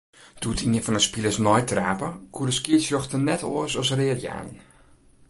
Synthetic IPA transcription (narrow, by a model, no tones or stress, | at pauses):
d̥utʰiəfɔnəspilˠəsnɔjtraːpəkuədəskiətfjɔxtənɛtoəsɔsreːəlja̰ːnn